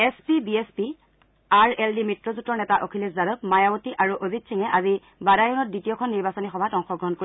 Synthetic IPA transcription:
espibiespi | aɹɛldimitɹɔzutːɔnɛtaʔokʰiliszaɾɔpmajawotiʔaɹuʔozitsʰiŋɛʔazi | badajunɔt̚ditijɔkʰɔnːiɹbasɔnixɔbʱatɔŋxɔɡɹɔɦɔnkoɹ

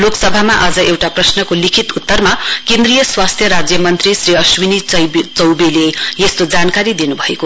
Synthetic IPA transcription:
loksʌbʱamaʔad͡zʌʔewʈaprʌsnʌkolikʰit̪ut̪ːʌrmakẽnd̪rijʌswast̪ʰjʌɾad͡zjʌmʌnt̪risriʌswinit͡sʌt͡sʌwbilejest̪od͡zankaɾid̪inubʱʌeko

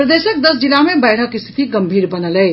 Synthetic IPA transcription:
pɾəd̪esək̚d̪əsd͡ʒilamebəɪʈʰəkist̪ʰi̥t̪iɡəmbʱiːɾbənələ

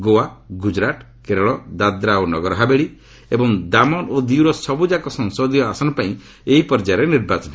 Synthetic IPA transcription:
ɡoaɡud͡ʒɾaʈ | keɾɔɭɔd̪ad̪ɾaonɔɡɔɾɔɦabeɭi | ebɔŋd̪amɔnod̪iwɾɔsɔbud͡ʒakɔsɔŋsod̪ʱijɔasɔnɔpaĩ | eɦipɔɾd͡ʒaɾeniɾbat͡ʃɔn

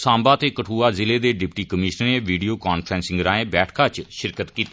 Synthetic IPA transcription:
sãːmbaːt̪eːkəʈʰuːaːzɪleːd̪eːɖɪpʈiːkəmɪʃnəɾẽːʋiːɖiːoːkaːnpʰɾɛ̃ːnsɪ̃ŋɡɾaːẽːbɛːʈʰkaːt͡ʃʃɪɾkət̪kiːt̪i

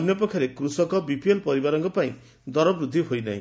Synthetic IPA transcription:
njɔpɔkʰːjaɾekɾusɔkɔbipielpɔɾibaɾɔŋkɔpaĩ | d̪ɔɾɔbɾud̪ʱːiɦojna̰ḭ̃

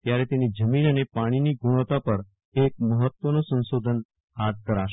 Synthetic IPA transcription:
t̪jaɾɛt̪enid͡ʒəminənepaɽ̃iniɡuɽ̃ət̪apəɾ | ek̚məɦət̪ʋənosə̃nsod̪ʱən | hat̪̚kəɾaʃ

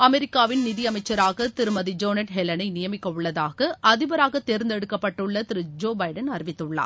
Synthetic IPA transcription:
ɐmɛɾɪkːaːʋɪnnɪðiɐmɐɪt͡ʃːɐɾaːɣɐt̪ɪɾɯmɐðid͡ʒoːnɐʈɦɛlɐnɐɪnɪjɐmɪkːɐʊɭːɐðaːɣɐʔɐðɪʋɐɾaːɣɐt̪ːeːɾnd̪ɛɽɯkːɐpːɐʈːɯɭːɐt̪ɪɾɯd͡ʒoːbɐɪɖɐnɐɾɪʋɪt̪ːɯɭːa̰ːɾ

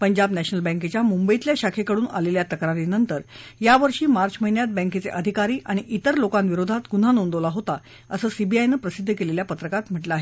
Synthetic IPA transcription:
pəɲd͡ʑabnæɕnəlbɛ̃ŋket͡ɕjamumbəit̪ljaɕakʰekəɽuːna̰leljat̪əkɾaɾinənt̪əɾjaʋəɾʂiːmaɾt͡ɕməɦinjat̪̚bə̃ŋket͡sḛʔəd̪ʱikaɾiːʔaɽ̃iʔit̪əɾlokanʋiɾod̪ʱat̪ɡun̤anond̪olaɦot̪a | əsəːsibiajnəːpɾəsid̪ʱːəkeleljapət̪ɾəkat̪m̤əʈləaɦe

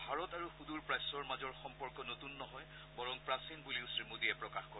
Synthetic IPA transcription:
bʱaɹɔtaɹuxuduɹpɹajsɔɹmazɔɹxɔmpɔɹkɔnotunːɔɦɔj | bɔɹɔŋpɹasinbuliʊsɹimodiɛpɹɔkaxkɔɹ

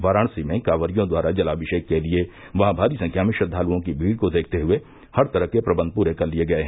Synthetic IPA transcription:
ʋaːɾaːɳ̃simẽkaːʋəɾijõd̪waːɾad͡ʒɐlaːbɪʃeːkːelie | ʋɐɦãbʱaːɾisɐ̃ŋkʰjaːmɪ̃ʃɐd̪ʱːaːluõkibʱiːɽkod̪eːk̚ʰt̪eɦʊe | hɐɾt̪ɐɾəɦkepɾɐbə̃nd̪̚puːɾekɐɾlieɡɐeɦɛ̃

